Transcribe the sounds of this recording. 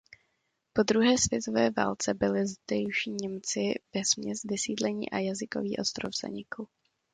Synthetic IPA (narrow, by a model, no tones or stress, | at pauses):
po̞d̪ɾuɦɛːsv̥jɛt̪o̞vɛːva̰ːlt͡sɛbɪlɪzd̪ɛjʃiːɲɛmt͡sɪvɛsmɲɛst̪vɪsiːdlɛɲḭːʔajazɪko̞̰viːʔo̞st̪ɾo̰vz̥a̰ɲɪku